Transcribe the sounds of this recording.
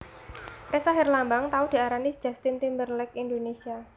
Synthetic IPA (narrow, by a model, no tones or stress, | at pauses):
resaɦɪrlambaŋt̪aʊd̥i̤aɾanid̥d͡ʒ̥a̤st̪ɪnt̪imbərlɛkindonesia